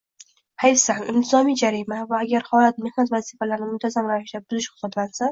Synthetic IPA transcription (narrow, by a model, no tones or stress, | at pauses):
hajsaŋɪ̰mt̪ʰɪzɒmijd͡ʒaɾimavaːɡʲaɾhɒlat̪̚me̞hnat̪vazifalaɾnɪmʊnt̪ʰazamɾavɪʃd̪abʊzɪʃhʊsɒt̪lansa